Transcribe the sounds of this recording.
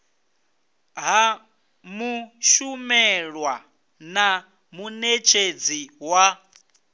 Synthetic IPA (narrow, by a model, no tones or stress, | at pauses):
ɦa | muʃumɛɺwa | na | munet͡ʃʰed͡ziwa